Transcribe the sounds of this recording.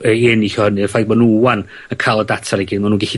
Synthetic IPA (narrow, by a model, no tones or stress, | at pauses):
əɪniɬɔhənɨrfajɡ̚manuwan | əkʰalˠɔdatʰaɾɛɡɪdmanuːnɡɛɬi